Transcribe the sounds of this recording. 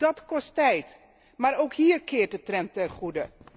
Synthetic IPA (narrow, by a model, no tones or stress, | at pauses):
dɑtkɔstɛjt | maːɾowkɦiːɹkɪːɹt̚dətrɛntɛrχudə